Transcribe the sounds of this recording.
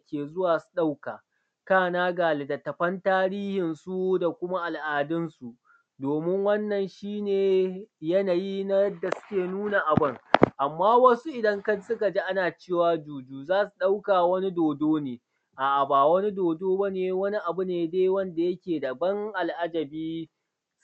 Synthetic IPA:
kʲeː˨zʊ˦waː˨su̥˨ɗa˦wkaː˨ | kaː˦˨naː˦ɡaː˨le˨da˨tɐ˨ɸɐ˦ntaː˦ɾiː˦hɪ˨nsu˦da˨kʷʊ˦ma˦ʔa˨lʔaː˨dɪ˦nsu˨ | doː˨mɪ˦ŋwɐ˦nːɐ˨nʃiː˦neː˨jɐ˦naː˨ji˦na˦jɐ˦dːa˨sʊ̥˦kʲeː˨nuː˦na˨ʔa˨bɪ˦ŋʔa˨mːaː˦wɐ˦su˦ʔɪ˨dɐ˦ŋkɐ˦sʊ˦ka˨d͡ʒi˦ʔa˦naː˨t͡ʃeː˦˨waː˦d͡ʒuː˨d͡ʒuː˦zaː˦su˨ɗa˦wkaː˨wɐ˦ni˦doː˨doː˦neː˨ | ʔa˨ʔa˨baː˨wɐ˦ni˦doː˨doː˦ba˦neː˨wɐ˦ni˦ʔa˨bʊ˦neː˨da˦jwɐ˦nda˨jɐ˦kʲeː˨da˨bɐ˦ŋʔa˨lʔa˦d͡ʒɐ˨biː˦

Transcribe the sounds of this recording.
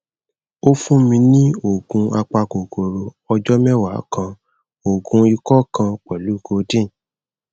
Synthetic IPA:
o˦fũ˦mĩ˧nĩ˦o˦˨ɡũ˧a˧k͡pa˧ɡo˨ɡo˨ɾo˨ | ɔ˧d͡ʒɔ˦mɛ˦wa˨˦kã˧ | o˨ɡũ˧i˧kɔ˦kã˧k͡pɛ˨lu˨˦˨ɡo˧˦dĩ˦˨

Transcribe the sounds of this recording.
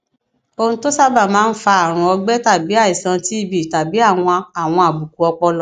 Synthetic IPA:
o˧ũ˦to˦sa˦ba˦˨mãː˨˦n̩˦fa˧a˨ɾ̃ũ˧ɔ˧ɡ͡bɛ˦ta˦˨bi˨˦a˦˨i˨sã˧ti˦i˦˨bi˨ta˨bi˨˦a˦˨w̃ɔ̃˧a˧a˨w̃ɔ̃˧a˨bu˨ku˨˦ɔ˧k͡pɔ˧lɔ˨

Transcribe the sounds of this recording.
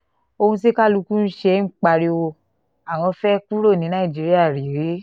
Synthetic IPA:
o˧hũ˧si˦ka˦lu˧ku˦n̩˦ʃɛ˦ŋ̩˦k͡pa˧ɾi˧wo˧ | a˨w̃ɔ̃˧fɛ˦ku˦ɾo˦˨nĩ˨˦nã˦ĩ˨d͡ʒi˨˧ɾi˦a˦˨ɾi˨ɾe˨˦

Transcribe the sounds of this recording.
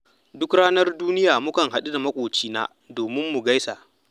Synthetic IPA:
dʊ˦kɽaː˦nɐ˦rduː˦nɪ˦jaː˨mʊ˦kɐ˨ŋɦa˨ɗu˦da˨mɐ˦kʷʼoː˨t͡ʃiː˦na̰ː˦ | doː˨mɪ˦mːu˨ɡa˦jsa˨ʔ

